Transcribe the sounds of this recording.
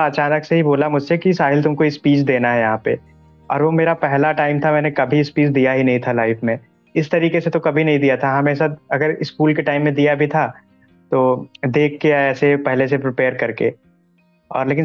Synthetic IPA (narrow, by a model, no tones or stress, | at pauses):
ɐt͡ʃaːnəkseɦiboːlamʊd͡ʒʱsekisaːɦɪlt̪ʊmkoispiːt͡ʃd̪eːnaɦɛjɐɦãpḛ | ɔ̰ːɾʋomeːɾapɛɦlaʈaːɪmt̪ʰamɛ̃ːnekɐbʱiɪspiːt͡ʃd̪ijaɦinɐɦĩt̪ʰalaːɪfmẽ | ɪst̪ɐɾiːkeset̪okɐbʱinɐɦĩd̪ijat̪ʰaɦɐmẽsɐt̪ɐɡəɾɪskuːlkeʈaːɪmːẽd̪ijabʱit̪ʰa | t̪oːd̪eːkʰːeaɛːsepɛɦlesepɾɪpeːəɾkɐɾkḛ | ɔ̰ːɾleːkɪ̃